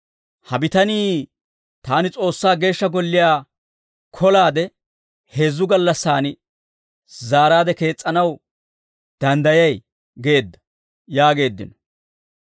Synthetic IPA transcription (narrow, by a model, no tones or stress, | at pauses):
hɐbɪt̪ɐniː | t̪aːnɪt͡sʼo̞ːsːaːɡe̞ːʃːɐɡɔlːɪjaː | kʰɔlaːd̪ɛ | he̞ːzːʊɡɐlːɐsːaːnɪ | zaːɾaːd̪ɛke̞ːt͡sʼːɐnɐw | d̪̥ɐnd̪ɐjɐj | ɡe̞ːd̪ːɐ̥ | jaːɡe̞ːd̪ːɪ̰nɔ